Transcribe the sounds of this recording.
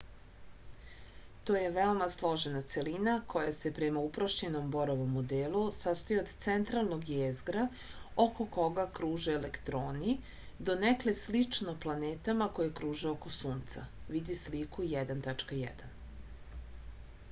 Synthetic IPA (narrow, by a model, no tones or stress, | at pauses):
t̪oːje̞ʋeomaslˠo̞ʒenat̪se̞linakʰo̞jase̞pɾemaupɾoʃt͡ɕeno̞mbo̞ɾoʋo̞mːod̪elusast̪ojeod̪t̪sent̪ɾalˠno̞ɡjezɡɾa | oko̞ko̞ɡakɾuːʒeːlekt̪ɾoːni | d̪o̞nekleslit͡ʂnoplˠaneːt̪amako̞jekɾuːʒeokosuːnt̪sa̰ʋid̪islikujɛd̪ant̪at͡ʂkajɛ̰d̪an